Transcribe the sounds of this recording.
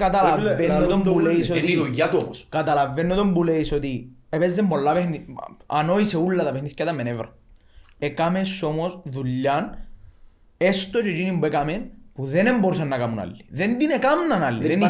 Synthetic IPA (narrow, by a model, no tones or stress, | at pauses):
kat̪alaːennːot̪ombuleisot̪iiojat̪uomoskat̪ɐlavːenːot̪ombuleisot̪iepezːemːolːapehnia̰noiseulːɐt̪ɐpehniθcɐt̪ɐmːenevɾɐ̰ | ekamesːomosðuʎːɐn | est̪ot͡ʃot͡ʃinimbekamenpuðenemboɾus̬ɐnːɐkamuna̰lːi̥ðend̪inekamnɐnalːiðen